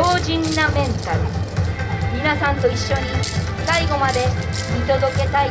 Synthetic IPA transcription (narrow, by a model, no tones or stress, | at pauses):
oːʑĩnːamẽ̞nt̪aɾɯ̟̰ | mʲinasãnt̪o̞iɕːo̞ɲ̟i | saiɡo̞mad̪e̞ | mʲit̪o̞d̪o̞ke̞t̪ai